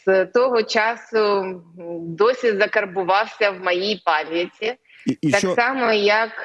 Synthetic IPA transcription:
z̥t̪ɔɦɔt͡ʃɑsʊ | d̪ɔsʲizɐkɐrbʊʋɑwsʲɐwmɐjijpɑlʲjɐt͡sʲi | t̪ɑksɑmɔjɐk

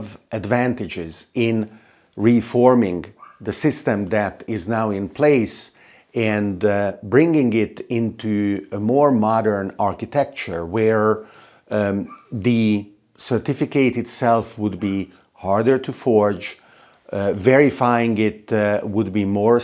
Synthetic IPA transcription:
vʔɨdvæ̃ntɪd͡ʒɪzɪ̃n | ɹifɔɹmɪ̃ŋðəsɪstə̃mðætɪznaʊɪ̃npʰl̥eɪs | ɨ̃nbɹɪ̃ŋɡɪ̃ŋɪtɪ̃ntʰuəmɔɹmɑɾə˞nɑɹkɨtʰɛk̚t͡ʃə˞wəɹ | ðɨ | sə˞tɪfɪkeɪtɨtsɛlˠfwʊd̪̚bi | hɑɹdə˞tʰufɔɹd͡ʒ | vɛɹɪfajɪ̃ŋɪt̚wʊd̚bimɔɹ

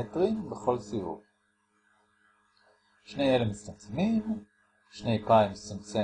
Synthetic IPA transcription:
etʁimbeχo̞lsivṵv | ʃnejelemit͡stamt͡semim | ʃne̞jpaimistamt͡se

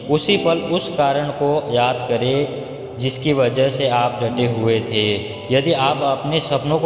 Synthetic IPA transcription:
ʊsipəlʊskaːɾəɽ̃kojaːd̪kəɾe | d͡ʒɪskiʋɐd͡ʒəɦseaːp̚ɖʱɐʈeɦʊet̪ʰeː | jɐd̪iaːpɐpnesɐpnõk

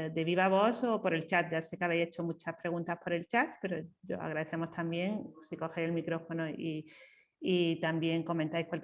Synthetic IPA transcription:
d̪e̞β̞iβaβo̞sopo̞ɾe̞lt͡ʃat̪̚d͡ʒase̞keaβejse̞t͡ʃo̞mut͡ʃahpɾe̞ɣ̞ũnt̪ahpo̞ɾe̞lt͡ʃat̪pe̞ɾo̞ʝo̰a̰ɣ̞ɾaðe̞θe̞mo̞st̪ambje̞ŋsiko̞xejelmikɾo̞fo̞noiː | t̪ambje̞ŋko̞mẽnt̪ajkwal

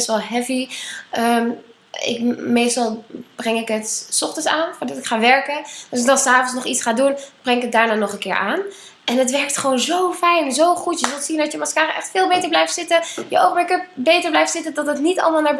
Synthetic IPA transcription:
ɛstʋɛlˠɦɛpiəm | ɪ̰kmejstɑlˠb̥rɛŋɪkətsɔχtənsaːnfʊːɹdɑtɪkχaːʋɛɹkədɔsɪk̚dɑnsaːfɔnsnɔχitsχaːdunb̥rɛŋɪkət̚daːɹnaːnɔχənkɪːɹʔaːn | ʔɛnətʋɛɹk̚tχʋoːnzowfɛjnzowχutjəzɵlˠsindɑtjəmɑskaːrəʔɛχtfɪːlˠbejtəɹblɛjftsɪtəjəʔowχmblɪkəp̚bejtəɹblɛjftsɪtədɔtətnitɑ̰lˠmaːlˠnaːɹ

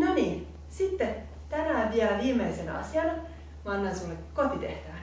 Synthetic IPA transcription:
noniː | sit̪ːe | t̪ænæʋiæʋiːmeisenɑ̰siɑn | mɑnːɑnsulːekkot̪it̪eht̪æʋæ

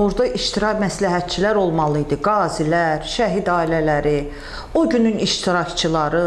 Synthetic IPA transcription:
oɾd̪ɑʔiʃt̪ʰiɾɑcmæslæɦæt̪̚t͡ʃʰilæɾo̞lˠmɑlˠɯjd̪ɯɡɑːzilæɾʃæɦid̪ɑːilælæɾi | oɟynyniʃt̪ʰiɾɑct͡ʃʰɯlˠɑɾɯ

